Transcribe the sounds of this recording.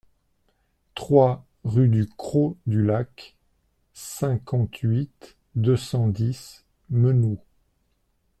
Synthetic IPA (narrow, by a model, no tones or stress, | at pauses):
t̪χwa | ʁyd̪ykχod̪ylak | sɛ̃kɑ̃t̪ɥit̪ | d̪əsɑ̃d̪is | mənu